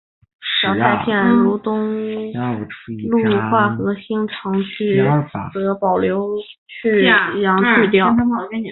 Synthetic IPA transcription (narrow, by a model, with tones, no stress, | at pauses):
ɕɑ˨˧˩ʊt̪a˥ɪpʰjɛ˥˩lu˧˥t̪ʊ˥ŋ | lu˥˧xwa˥˩xɤ˧˥ɕi˥ŋʈ͡ʂʰɑ˧˥ŋt͡ɕʰy˥˩xɤ˧˥pɑ˨˩ʊljo˧˥ʊ | t͡ɕʰy˥˩˧jɑ˧˥ŋt͡ɕʰy˥˧t̪jɑ˥˩ʊ˥˨˧